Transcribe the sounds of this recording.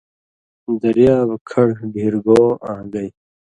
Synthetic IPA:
d̪ɐɾjaːbkʰɐɽɡiɾɡoːa̰ːɡɐj

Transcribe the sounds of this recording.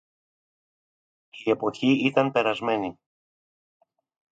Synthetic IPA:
ie̞po̞çiit̪ɐnpe̞ɾɐzme̞ni

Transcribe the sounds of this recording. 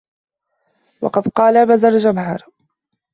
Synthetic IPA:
wɑ̰qɑd̪qɑːlabazald͡ʒamɦɑɾˤ

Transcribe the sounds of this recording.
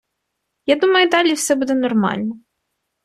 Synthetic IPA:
jad̪umɐjʊd̪ɑlʲiwsɛbud̪ɛnɔrmɑ̰lʲnɔ

